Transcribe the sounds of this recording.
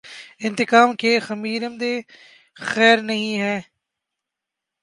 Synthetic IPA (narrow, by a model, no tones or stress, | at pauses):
ɪ̃nt̪ɪkaːmkʰeːxɐmiːɾəmd̪eː | xɛːɾnɐɦĩɦɛː